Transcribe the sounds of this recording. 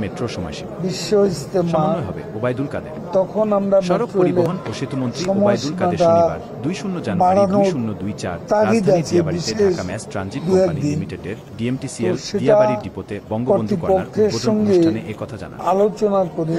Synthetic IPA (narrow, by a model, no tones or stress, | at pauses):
metoɔ | biʃːost̪emaɦbebad̪uad̪e | t̪ɔkʰonamɾamet̪ːɾoeleʃt̪monʃɾiɔmɔʃubaʈa | d̪ujʃunːod͡ʑnbaɽanod̪ujat̪aɾid̪at͡ɕʰebiʃeʃand͡ʑid̪uɛkd̪inme | ɖiemʈioʃeʈaibɔŋɡoɾipokʰːeɾʃɔŋɡekɔt̪ʰaa̰na̰alot͡ɕonakoɾi